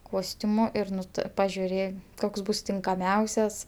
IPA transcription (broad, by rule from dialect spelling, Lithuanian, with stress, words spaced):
ˈkoːsʲtʲʊmʊ ɪr ˈnʊ tɜ pɐʒʲʊˈrʲeː ˈkoːks ˈbʊs tʲɪŋkɐˈmʲɛʊsʲɛs